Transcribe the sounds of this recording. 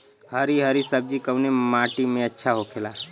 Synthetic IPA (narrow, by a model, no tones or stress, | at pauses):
həɾiɦəɾisəb̚d͡ʒikəwnemaːʈimẽətːʃʰaɦokʰela